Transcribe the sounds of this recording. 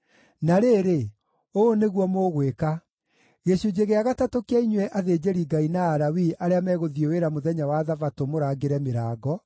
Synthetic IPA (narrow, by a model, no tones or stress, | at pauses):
naɾeːɾe | oneɣwɔmoɣweka | ɣeɕud͡ʑeɣeaɣatatokeaiɲwɛʔaðed͡ʑeɾiɡainaːɾawiʔaɾeamɛɣoðioweɾamoðɛɲawaðavatomoɾaːɡeɾɛmeɾaːɡɔ